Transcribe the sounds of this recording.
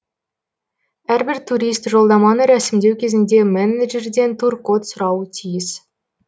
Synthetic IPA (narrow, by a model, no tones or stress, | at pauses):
æɾbɪɾt̪ʰuɾist̪ʒo̞lˠd̪ɑmɑnəɾæsɪmd̪e̞wkʲʰe̞zɪnd̪e̞mæneʒerd̪e̞nt̪ʰurkot̪sʊɾɑwət̪ʰijɪs